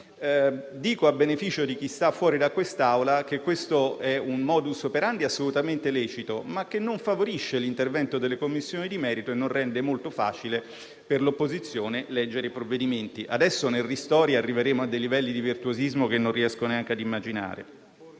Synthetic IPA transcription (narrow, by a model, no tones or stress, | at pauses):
d̪iːkoabenefiːt͡ʃod̪ik̟ist̪afːwɔːɾid̪akːwest̪awlak̟ekːwest̪oɛunmɔːd̪usopeɾand̪iasːolut̪ament̪elɛːt͡ʃit̪omak̟ːenːoɱfavoɾiʃːelint̪ervɛnt̪od̪elːekomːisːjoːnid̪imɛːɾit̪oenːonrrɛnd̪emolt̪ofa̰ːt͡ʃile | perlopːozit̪sːjoːnelɛd͡ʒːeɾepɾovːed̪iment̪iʔa̰d̪ɛsːonerːist̪ɔːɾjaarːiveɾeːmoad̪ːejlivɛlːid̪ivirt̪uozizmok̟enːõnrːiɛskononeaŋk̟ead̪imːad͡ʒina̰ːɾḛ